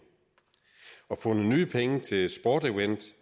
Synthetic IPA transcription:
ɒ̽fɔ̽nənyːpʰeŋət͡sʰe̝lsb̥ɒːd̥iwend̥

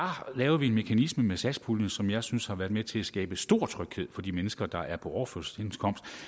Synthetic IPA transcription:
ɑlɛːʊɐʋie̝nme̝kʰænisməmesæspʰuln̩sɒ̽mjɑ̈ɪsynshɑ̈ʋæːɐdˠmet͡sʰe̝læsɡ̥ɛ̰ːb̥əsd̥o̝ːɐ̰t͡sʰʁœɡ̥he̝ð̰ˠfɒ̽d̥imenəsɡ̥ɐd̥ɑ̈ʔæɐpʰɒ̽ɒʊɐføsenskʰɒ̽m̰sd̥

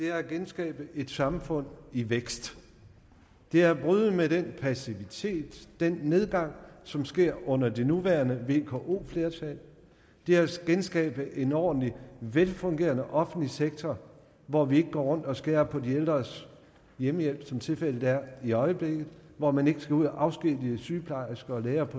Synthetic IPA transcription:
d̥e̝æɐɡ̥ensɡ̥ɛ̰ːb̥əʔe̝d̥sɑ̈mfɔ̽n̰iʋeɡ̥sd̥ | d̥e̝æɐb̥ʁyːð̩ˠmedenpʰæsiʋit͡sʰe̝̰ːd̥ːenːe̝ð̞ˠɡ̥ɑ̈ŋ̰sɒ̽msɡ̥e̝ɐ̰ɔ̽n̰ɐd̥e̝nuʋæɐnəʋe̝kʰoʔo̝̰ːfle̝ɐt͡sʰɛl | d̥e̝æɐsɡ̥ensɡ̥ɛ̰ːb̥əʔe̝nɒ̰ːd̥n̩liʋelfɔ̽ŋɡ̥e̝̰ːɐnəʔɒ̽fn̩dliseɡ̥̚t͡sʰɒ | ʋɒʋie̝ɡ̥əɡ̥ɒ̰ːʁɔ̽n̰d̥ɒ̽sɡ̥eɐpʰɒ̽dield̥ʁɐs | jeməjel̰b̥sɒ̽mt͡sʰe̝lfel̰ə̥æɐ̰iɒ̽ɪəb̥le̝ɡ̥ð̩ˠʋɒmæne̝ɡ̥əsɡ̥æuð̰ˠæʔɑ̈ʊsɡ̥id̥iəsyːpʰlɑ̈ɪɐsɡ̥ɐːleːɐpʰɒ̽

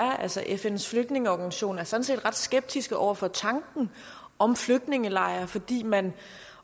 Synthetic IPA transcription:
ɐʔælsɐʔefen̰sfløɡ̥̚d̥ne̝ŋəɒɡ̥ænsiɕo̝̰ːnæɐsɒ̽n̩se̝̰ːd̥ʁɑ̈d̥sɡ̥eb̥̚d̥ʰisɡ̥əʔɒ̰ʊɐfɒ̽t͡sʰɑ̈ŋɡ̥n̩ | ʔɒ̽mfløɡ̥̚d̥ne̝ŋəlɑ̈ɪɐfɒ̽d̥ḭːmæn

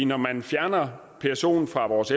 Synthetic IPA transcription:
nɒmænfjæɐnɐ | pʰæɐso̝̰ːn̩fʁɑ̈ʋɒːse

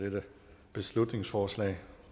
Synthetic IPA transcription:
edə | b̥e̝slud̥ne̝ŋsfɒːslɛ̰ɪ

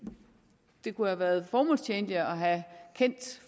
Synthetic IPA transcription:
d̥e̝kʰuhæʋæːɐð̞ˠfɒːmɔ̽l̰st͡ɕʰeːnliɒ̽ɦækʰen̰d̥

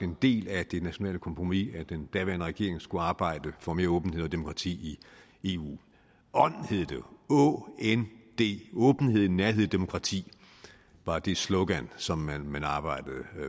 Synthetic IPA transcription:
end̥e̝̰ːlæd̥e̝næɕo̝nɛ̰ːləkʰɒ̽mpʰʁomiæd̥end̥æɐʋæɐnəʁɛɡ̥e̝ɐeŋsɡ̥uɑ̈ːb̥ɑ̈ɪ̰d̥əfɒ̽me̝ːɐɔ̽ːb̥n̩he̝ð̞̰ˠɒd̥e̝mo̝kʰʁɑ̈t͡sʰḭːi | e̝ːṵː | ɒ̽n̰he̝ð̰ˠd̥eɔend̥e̝̰ːɔ̽ːb̥n̩he̝ð̞̰ˠnæɐheð̰ˠd̥e̝mo̝kʰʁɑ̈t͡sʰḭː | ʋɑ̈d̥e̝sloɡ̥ænsɒ̽mænmænɑ̈ːb̥ɑ̈ɪ̰d̥əð̩ˠ

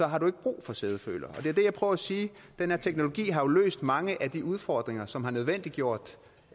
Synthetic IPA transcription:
sɒ̽ɦɑ̈ɾue̝ɡ̥əb̥ʁṵːfɒ̽seð̞ˠəfø̰ːlɐɒ̽d̥e̝æɐd̥e̝jɑ̈ɪpʰʁœːʊɐæsiːd̥enhæɐt͡sʰeɡ̥no̝lo̝ɡ̥ḭːɦɑ̈jo̝lø̰ːsd̥mɑ̈ŋəʔæd̥iuð̞ˠfɒːd̥ʁeŋɐsɒ̽mɦɑ̈nøð̞ˠʋen̰d̥liɡjo̝ɐ̰d̥

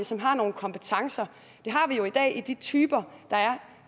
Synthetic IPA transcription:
əsɒ̽mɦɑ̈no̝ːn̩kʰɒ̽mpʰet͡sʰɑ̈ŋsɐ | d̥e̝ɦɑ̈ʋijo̝id̥ɛ̰ːʔid̥it͡sʰyːb̥ɐd̥ɑ̈æɐ

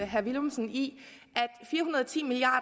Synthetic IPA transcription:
ɦæɐʋilmsəni | ʔæd̥fiːɐɦunɐð̞̩ˠt͡sʰḭːmiliɑ̰̈ː

